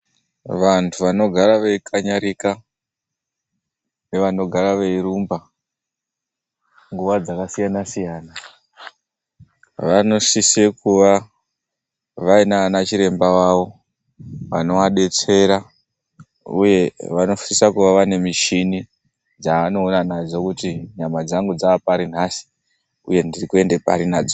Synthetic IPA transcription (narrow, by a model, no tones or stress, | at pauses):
ʋantʰuʋano̞ɡʱaɾaʋe̞ikʰaɲaɾika | neʋano̞ɡʱaɾaʋeiɾumba | ŋɡuʋad͡zakasijanasijaːna | ʋano̞ʂisekuʋa | ʋainaanat͡ʃiɾe̞mbaʋaʋo̞ | ʋano̞ʋaɗe̞t͡se̞ɾa | ṵje̞ʋano̞ʃisakuʋaʋane̞miʃini | d͡zaano̞ːnanad͡zo̞kutiɲamad͡zaŋɡud͡zaːpaɾin̤asi̥ | uje̞ndirikue̞ndepa̰ɾinaːd͡zo